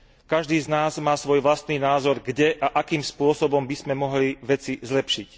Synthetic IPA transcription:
kaʒd̪iːznaːzmaːsʋɔjʋlast̪niːnaːzɔɾɡɟɛʔaʔakiːmspʊɔsɔbɔmbizmɛmɔɦliʋɛt͡sizlɛpʃic

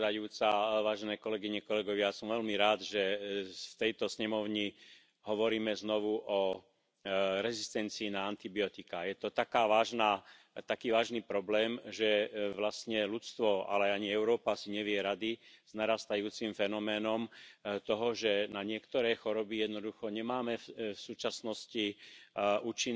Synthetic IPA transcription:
d̪ajuːt͡saʋaːʒɛnɛːkɔlɛɡiɲɛkɔlɛɡɔʋɪasɔmʋɛlmiɾaːd̪ʒɛft̪ɛjt̪ɔsɲɛmɔʊɲi | ɦɔʋɔɾiːmɛznɔʋuʔɔ | ɾɛzist̪ɛnt͡siːnaant̪ibiɔt̪ikajɛt̪ɔt̪akaːʋaːʒnaː | t̪akiːʋaːʒniːpɾɔblɛːmʒɛʋlast̪ɲɛlut͡st̪ʋɔa̰lɛaaɲiɛʊɾɔːpasiɲɛʋɪɛɾad̪iz̥naɾast̪ajuːt͡simfɛnɔmɛːnɔmt̪ɔɦɔʒɛnaɲɪɛkt̪ɔɾɛjxɔɾɔbijɛd̪nɔd̪uxɔɲɛmaːmɛfsuːt͡ʃasnɔsci | uːt͡ʃin

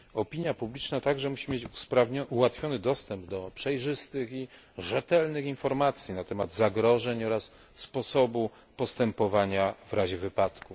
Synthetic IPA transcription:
ɔpʲiɲjapublʲit͡ʂnat̪aɡʐɛmuɕimʲjet͡ɕuspɾavɲɔuwat̪fʲjɔnɘd̪ɔst̪ɛmbd̪ɔpʂɛjʐɘst̪ɘxi | ʐɛt̪ɛlnɘxinfɔɾmat̪sʲjinat̪ɛmad̪zaɡɾɔʐɛɲɔɾasː | pɔsɔbu | pɔst̪ɛmpɔvaɲavɾaʑɛvɘpat̪ku

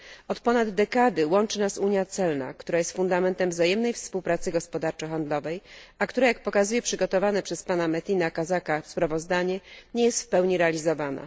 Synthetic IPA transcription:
ɔt̪pɔnad̪ːɛkad̪ɘwɔnt͡ʂɘnasuɲjat̪sɛlna̰kt̪uɾajɛst̪fund̪amɛnt̪ɛmvzajɛmnɛjfspuwpɾat̪sɘɡɔspɔd̪aɾt͡ʂɔxand̪lɔvɛjakt̪uɾajak̚pɔkazujɛpʂɘɡɔt̪ɔvanɛpʂɛspanamɛt̪ʲinakazakafspɾavɔzd̪aɲɛɲejɛst̪fpɛwɲiɾɛalʲizɔvana̰

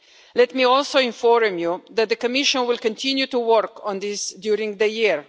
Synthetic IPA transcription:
lɛt̪miɔlsoʊɪ̃nfɔɾmjud̪ɛt̪̚d̪əkɔmɪʃɔ̃nwɪlkɔ̃nt̪ʰĩnjut̪uwɔɾkɔ̃nd̪ɪsd̪juɾĩŋɡd̪əjiɾ

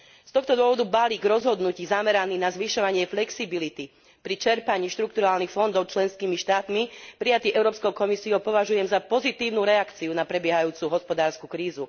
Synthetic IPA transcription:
st̪ɔxt̪ɔd̪ʊɔʋɔd̪ubaliːɡɾɔzɦɔd̪nuciːzamɛɾaniːnazʋiʃɔʋaɲɪɛflɛksibilit̪i | pɾit͡ʃɛɾpaɲiːʃt̪ɾuk̚t̪uɾaːlnixfɔnd̪ɔʊt͡ʃlɛnskiːmiʃt̪aːt̪mipɾijat̪iːʔɛʊɾɔːpskɔʊkɔmisiɔʊpɔʋaʒujɛmzapɔzit̪iːʋʊnuɾɛakt͡siunapɾɛbɪɛɦajuːt͡suɦɔspɔd̪aːɾskukɾiːzu

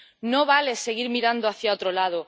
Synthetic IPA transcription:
no̞βale̞se̞ɣ̞iɾmiɾand̪oaθjaot̪ɾolað̞o

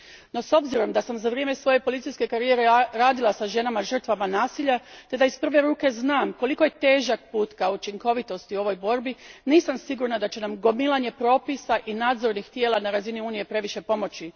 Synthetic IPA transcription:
no̞so̞bziɾo̞md̪asamzaʋɾje̞me̞sʋo̞je̞po̞lit̪sijske̞kaɾijeɾeɾaːd̪ilˠasaʒe̞namaʒr̩t̪ʋamanaːsiʎat̪e̞d̪aispr̩ʋe̞ɾuːke̞znaːmko̞liko̞je̞t̪e̞ːʒak̚puːt̪kaut͡ʃiŋko̞ʋit̪o̞st̪io̞ʋo̞jbo̞ɾbiniːsamsiɡuɾnad̪at͡ɕe̞namɡo̞milˠaɲe̞pɾo̞ːpisaʔinaːd̪zo̞ɾnixt̪je̞ːlˠanaɾaziniuːnije̞pɾe̞ʋiʃe̞po̞mo̞t͡ɕi

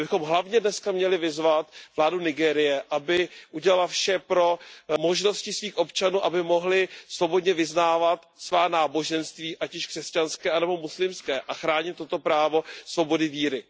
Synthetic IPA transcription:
bɪxo̞mɦlavɲɛdnɛskamɲɛlɪvɪzvat̪vlaːdunɪɡɛːɾɪjɛʔabɪʔuɟɛlalafʃɛpɾo̞mo̞ʒno̞scɪsviːxʔo̞pt͡ʃanuːʔabɪmo̞ɦlɪsvo̞bo̞dɲɛvɪznaːvat̪svaːnaːbo̞ʒɛnst̪viːʔacɪʃkr̥ɛscanskɛːanɛbo̞muslɪmskɛːʔaxɾaːɲɪt̪ːo̞t̪o̞pɾaːvo̞svo̞bo̞dɪviːɾɪ

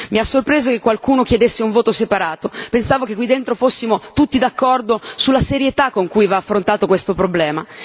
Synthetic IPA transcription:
miasːorpɾeːzokekːwalkuːnokjed̪esːeuɱvoːt̪osepaɾaːt̪opensaːvokekːwid̪ːent̪ɾofosːimot̪ut̪ːid̪akːɔrd̪osulːaseɾjet̪akːoŋkujvaːfːɾont̪aːt̪okwest̪opɾoblɛːma

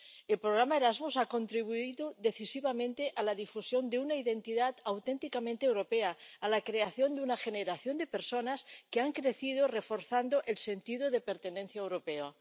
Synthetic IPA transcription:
elpɾoɣɾamaeɾazmusako̞nt̪ɾiβ̞uiðoðeθisiβamẽnt̪eʔalaðifusjo̞nd̪eunaiðe̞nt̪iðat̪awt̪ent̪ikamẽnt̪ewɾo̞peaːlakɾeaθjo̞nd̪eunaxeneɾaθjo̞nd̪epe̞ɾso̞naskeaŋkɾeθið̞orefo̞ɾθand̪oʔelse̞nt̪iðoðe̞peɾt̪enẽnθjaewɾopeo

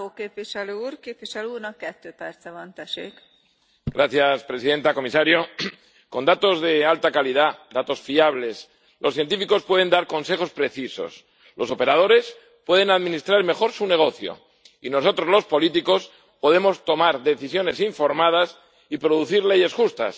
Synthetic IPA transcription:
okeːpviʃɛløːuːɾkeːpviʃɛløuːɾnɒkːɛt̪ːøːpɛrt̪t͡sɛvɒnt̪ɛʃḛːk | ɡɾaθjaspɾe̞siðe̞nt̪ako̞misaɾjo̞ | ko̞nd̪at̪o̞zðe̞alt̪akalið̞ad̪at̪o̞sfiaβle̞s | lʔo̞sθje̞nt̪ifiko̞spwe̞ð̞e̞nd̪aɾko̞nse̞xo̞spɾe̞θiso̞̰s | lʔo̞so̞pe̞ɾað̞o̞ɾe̞s | pwe̞ð̞e̞naðmĩnist̪ɾaɾme̞xo̞ɾsune̞ɣ̞o̞θjo̞̰ | ino̞s̬o̞t̪ɾo̞zlo̞spo̞lit̪iko̞s | po̞ðe̞mo̞st̪o̞maɾðe̞θisjo̞ne̞siɱfo̞ɾmað̞as | ipɾo̞ðuθiɾle̞ʝe̞sxust̪a̰s

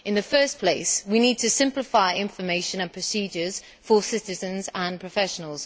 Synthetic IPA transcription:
ɪ̃nðəfɜˑspʰl̥eɪswiniːd̚tʰəsɪ̃mplɪfaɪɪ̃ɱfəmeɪʃə̃nə̃npʰɹ̥əsiːd͡ʒəz̥ | fəsɪtɪzə̃nzə̃npʰɹ̥əfɛʃənəlˠz̥

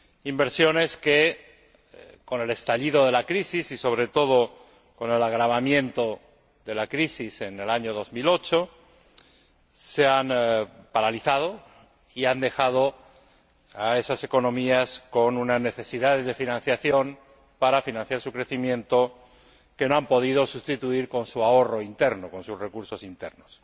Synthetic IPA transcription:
imbe̞ɾsjo̞ne̞ske | ko̞ne̞le̞st̪aʎiðo̞ðe̞lakɾisisiso̞β̞ɾe̞t̪o̞ð̞o̞ | ko̞ne̞laɣ̞ɾaβ̞amjẽ̞nt̪o̞ | ðe̞lakɾisise̞nelaɲoðo̞zmilo̞t͡ʃo̞ | seanpaɾaliθað̞o̞ | iand̪e̞xað̞o̞ | ae̞sase̞ko̞nõ̞miasko̞nunazne̞θe̞siðað̞e̞zðe̞finãn̟θjaθjo̞n | paɾafinãn̟θjaɾsukɾe̞θimjẽ̞nt̪o̞ | ke̞noampo̞ð̞ið̞o̞sust̪it̪uiɾko̞nsuaoro̞int̪e̞ɾno̞ko̞nsuzre̞kuɾso̞sint̪e̞̰ɾnos

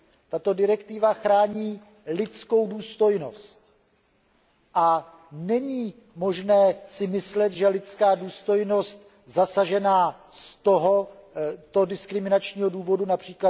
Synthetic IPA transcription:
t̪at̪o̞dɪɾɛkt̪ɪvaxɾaːɲiː | lɪt͡sko̞wduːst̪o̞jno̞st̪ | ʔa | nɛɲiː | mo̞ʒnɛːsɪmɪslɛt̪ʒɛlɪt͡skaːduːst̪o̞jno̞st̪ | zasaʒɛnaːst̪o̞ɦo̞t̪o̞dɪskɾɪmɪnat͡ʃɲiːɦo̞duːvo̞dunapr̥iːkla

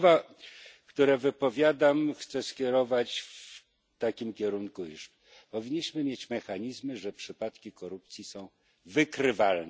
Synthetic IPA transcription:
va | kt̪uɾɛvɘpɔvʲjad̪amxt̪sɛskʲɛɾɔvat͡ɕf | t̪akʲimkʲɛɾunkujuʂ | pɔvʲiɲːiɕmɘmʲjet͡ɕmɛxaɲizmɘʐɛpʂɘpat̪kʲikɔɾupt̪sʲjisɔ̃w̃ | vɘkɾɘvalnɛ

